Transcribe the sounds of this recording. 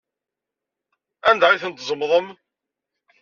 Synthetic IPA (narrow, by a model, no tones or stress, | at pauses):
ænd̪ʕiθənt̪zˤəmːðˤəm